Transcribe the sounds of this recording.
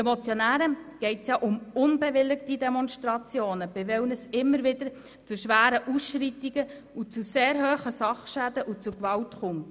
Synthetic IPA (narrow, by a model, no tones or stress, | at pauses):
ɛmɔt͡sjɔnæːɾəɡ̥ɛɪtjɑʔʊmʊnbɛʋɪlːɪkt̪id̪ɛmɔnʃtɾɑt͡sjoːnəb̥ɪvɛwnəsɪmːəɾʋɪd̥̪ə | t͡suʃʋæːɾəʔusʃritiɡə | ut͡suseːɾɦøːχəsɑχʃæd̪əʔut͡sukʋɑltχʊmt